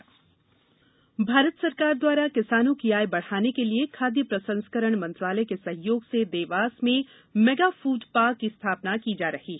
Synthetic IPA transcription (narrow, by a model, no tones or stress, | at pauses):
bʱaːɾət̪sɐɾkaːɾd̪waːɾakɪsaːnũkiaːjbɐɽ̤aːnekeliekʰaːd̪jəpɾɐsə̃nskəɾəɽ̃mɐ̃nt̪ɾaːləkesɐ̃ɦjoːɡsed̪eːʋaːsmẽ | mɛːɡaːfuːɖpaːɾkːist̪ʰaːpnakid͡ʒaːɾɐhiː